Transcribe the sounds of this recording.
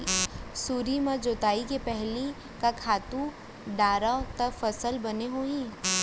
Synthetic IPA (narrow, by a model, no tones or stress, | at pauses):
suːɾimad͡ʒoːt̪aːikepɛɦli | kakʰaːt̪ũ | ɖaːɾat̪ɐfɐsəlbɐneɦoːĩː